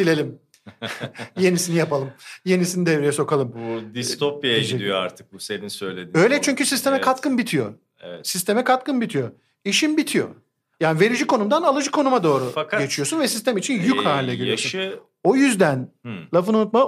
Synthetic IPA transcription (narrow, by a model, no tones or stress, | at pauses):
d̪ilʲe̞lʲim | je̞nisinijapalˠɯmje̞nisinid̪evɾijɛso̞kalˠɯmd̪ist̪opjad͡ʒɛd̪ijoa̰ɾt̪ʰɯ̥k̚buseninsøjlʲed̪iø̞jlʲɛt͡ʃʰyɲcysist̪ʰe̞mɛkʰat̪kɯnbit̪ʰijo̞̰ | ɛɛsist̪e̞mɛkʰat̪kɯnbit̪ʰijo̞ | iʃinbit̪ʰijo̞̰ | jaːnive̞ɾid͡ʒikʰo̞numd̪analˠɯd͡ʒɯkʰo̞numad̪o̞ːɾufɟe̞t͡ʃʰijo̞sunvɛsist̪ʰæmit͡ʃʰinjychaːlʲiːɛɟilʲiosun | o̞jyzd̪ænlˠafɯnunut̪̚ma